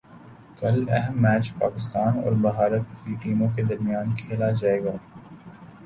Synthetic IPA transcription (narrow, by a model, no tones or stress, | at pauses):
kɐlɛɦɛmːɛːt͡ʃpaːkɪst̪aːnɔ̰ːɾbɐɦaːɾət̪kiʈiːmõk̬ed̪ɐɾmijaːnkʰeːlad͡ʒaːeːɡaː